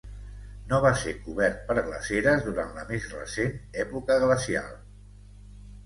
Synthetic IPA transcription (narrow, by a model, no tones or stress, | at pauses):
noβasekuβɛɾt̪̚pəɾɣlə̰seɾəzðuɾanləmezrə̰senɛpukəɣləsia̰lˠ